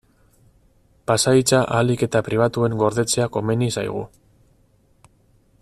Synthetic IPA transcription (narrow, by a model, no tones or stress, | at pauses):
pasait͡saʔalike̞t̪apɾiβ̞at̪ue̞ŋɡo̞ɾðe̞t͡se̞ako̞me̞nisajɣ̞ṵ